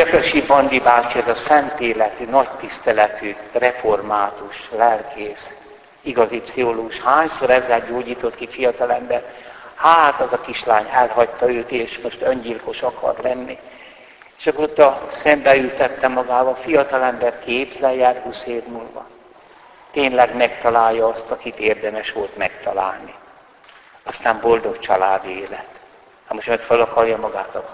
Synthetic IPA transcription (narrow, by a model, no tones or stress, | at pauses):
økøʃibɒnd̪ibaːt͡ʃiɛzɒsɛnt̪eːlɛt̪ynɒct̪ist̪ɛlɛt̪yrɛformaːt̪uʃlɛlkʰeːs | iɡɒzipsioloːɡuʃhaːɲsoɾɛzːɛlɟoːɟiːt̪o̞t̪kifijɒt̪ɒlɛmbɛrhaːt̪ɒzɒkiʃlaːɲɛlɦɒct̪ːɒøːt̪eːʃmo̞ʃt̪øɲɟilko̞ʃɒkɒ̰rlɛnːi | eʃɒkːoot̪ːɒsɛmbɛylt̪ɛt̪ːɛmɒɡaːvɒfijɒt̪ɒlɛmbɛrkeːbzɛljaːrhuːsheːvmulʋɒ̰ | t̪eːnlɛɡmɛkt̪ɒlaːjːɒɒst̪ɒkit̪eːrd̪ɛmɛʃʋo̞lt̪mɛkt̪ɒla̰ːlni | ɒst̪aːmbo̞ld̪o̞kt͡ʃɒlaːd̪ieːlɛt̪ | hamoʃmɛkfølɒkɒrjɒmɒɡaːt̪ɒk